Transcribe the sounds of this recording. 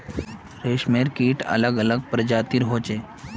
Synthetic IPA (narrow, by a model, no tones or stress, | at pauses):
ɾeʃmeɾkiːʈə̰ləɡələɡ̚pɾəd͡ʑat̪iɾɦoːt͡ɕe